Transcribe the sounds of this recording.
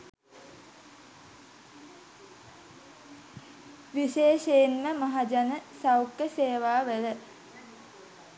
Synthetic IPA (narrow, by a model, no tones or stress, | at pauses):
ʋiʃeːʃeinməmaɦad͡ʒanəsawkːəseːʋaːʋelə